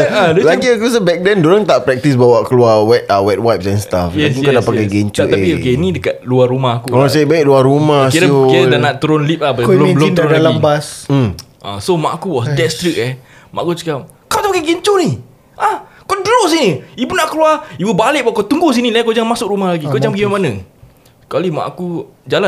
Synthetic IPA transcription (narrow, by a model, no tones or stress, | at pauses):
adlad͡ʒəkus̬əbɛk̚dandoɾaŋt̪aʔpɾɛk̚t̪isbawakəluawɛt̚awɛt̚wajp̚sɛnst̪afɛsukadapakajɡeɲt͡ʃʔ̪aiokenĩdəkat̪̚luarumahakukoɾaŋsabaik̚luaɾumakiukiɾadanaʔt̪əɾʊnlip̚ahbaləomnadalambasm̩ | ʔã̰somaʔakuwɔsdɛtst̪ɾik̚ɛ | ma̰ʔkut͡ʃukap̚ | kawt̪apakajɡeɲt͡ʃoni | ʔah | kodəloʔs̬iniibunaʔkəluaibəbalɪʔ̚baʔkat̪uŋɡus̬inilajkod͡ʒaŋmasʊk̚ɾumahlaɡikod͡ʒaŋbəɡimamanə | kalimã̰ʔakud͡ʒala